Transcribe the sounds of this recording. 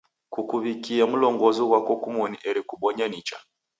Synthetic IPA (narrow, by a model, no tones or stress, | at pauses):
kukuβikiam̩lɔŋɡɔziɣwakɔkumɔniʔɛɾikuɓɔɲanit͡ʃa